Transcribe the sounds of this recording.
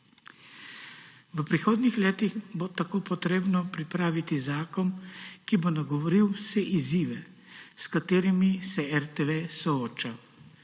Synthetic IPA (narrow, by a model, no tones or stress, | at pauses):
ʋəpɾixoːd̪nixleːt̪iɣbot̪akoːpɔt̪ɾeːbnɔpɾipɾaːʋit̪izaːkɔnkibonaɡɔʋɔɾiwsɛʔiziːʋɛ | skat̪eːɾimisɛɛɾt̪eʋesɔoːt͡ʃa